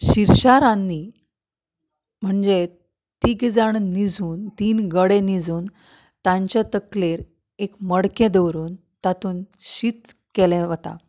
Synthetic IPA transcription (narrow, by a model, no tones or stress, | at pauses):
ɕiɾɕaɾãnːiː | m̤əɳd͡ze | t̪iɡd͡zaɳnid͡zuːnt̪iːnɡəɽenid͡zuːn | t̪ãɲt͡ɕjat̪əkleɾ | ekməɽkẽd̪əwɾuːn | t̪at̪uːnɕiːt̪kelɛ̃ʋət̪a̰